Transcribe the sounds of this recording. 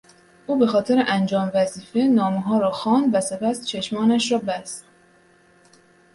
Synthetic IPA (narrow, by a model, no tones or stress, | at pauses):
ʔuːbe̞xɒːt̪ʰe̞ɾeʔænd͡ʒɒːmvæziːfe̞nɒːmeɦɒːɾɒːxɒːnd̪væse̞pʰæst͡ʃʰeʃmɒːnæʃɾɒːbæst̪